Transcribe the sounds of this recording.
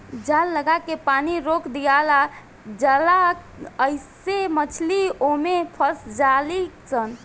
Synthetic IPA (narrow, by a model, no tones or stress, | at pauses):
d͡ʒalːəɡakepaniɾokd̪ijala | d͡ʒəla | əjsemət͡ʃʰliomepʰəsd͡ʒalisən